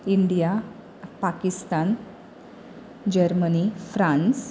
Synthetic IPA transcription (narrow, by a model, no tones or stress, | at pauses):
iɳɖija | pakist̪an | d͡ʑəɾmənifɾãns